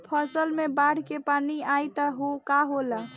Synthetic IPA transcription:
pʰəsəlmebaɽ̤kepaniajt̪əɦokaɦola

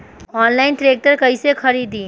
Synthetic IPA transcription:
ɔːnlaːɪnʈɾeːk̚ʈəɾkɐisexʰɐɾiːd̪ĩː

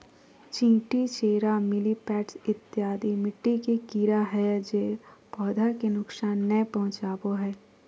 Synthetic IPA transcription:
t͡ʃĩːʈit͡ʃeːɾamɪlipɛːʈsɪt̪ːjaːd̪imɪʈːikekiːɾaɦɛd͡ʒepɔːd̪ʱakenʊksaːnːɛpɐɦʊ̃t͡ʃaːpoɦɛː

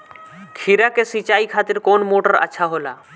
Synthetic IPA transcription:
kʰiɾakesit͡ʃaːikʰaːt̪ɪɾkoːnmoːʈəɾə̰ːʃʰaɦoːla̰ː

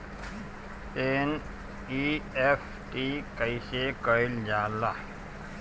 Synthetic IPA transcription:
en | iepʰ | ʈikəjsekəild͡ʒaːla

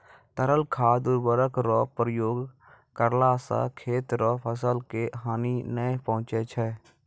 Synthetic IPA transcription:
t̪əɾəlkʰaːd̪ʊɾbəɾəkɾɔːpɾəjoːɡ | kəɾlaːsa̰kʰeːt̪ɾɔːpʰəs̬əlkeɦaːninəepəɦʊ̃t͡ʃet͡ʃʰɛː

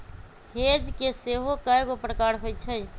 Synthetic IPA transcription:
heːd͡ʒkeseːɦokəjkopɾəkaːɾɦoːit͡ʃʰəi

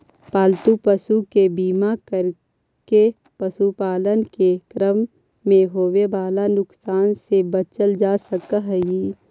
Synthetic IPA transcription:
paːlt̪upəsukebiːmakəɾ | ke | pəsupaːlənkekɾəmː | ẽɦoːʋebaːlanʊksaːnsebɐt͡ʃəld͡ʒaːsəkaɦɛji

